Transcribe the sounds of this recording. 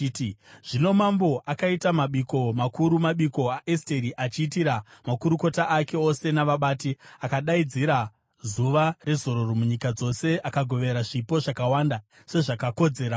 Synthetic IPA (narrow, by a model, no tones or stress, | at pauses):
tʐ̥ino̞mambo̞ʔakaitamaɓiko̞makuɾumaɓiko̞aʔesteɾiʔat͡ʃiːtiɾamakuɾuko̞taʔake̞o̞se̞naʋaɓaːtiakaɗaid͡ziɾa | zuʋare̞zo̞ɾo̞romuɲikad͡zo̞se̞ʔakaɡʱo̞ʋe̞ɾaʐipo̞ʐakawaːnda | se̞ʐakako̞d͡ze̞ːɾa